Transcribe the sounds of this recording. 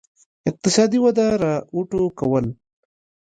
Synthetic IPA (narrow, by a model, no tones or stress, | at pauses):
ɪq̚t̪ɪsɑd̪iwad̪aɾauʈokawəl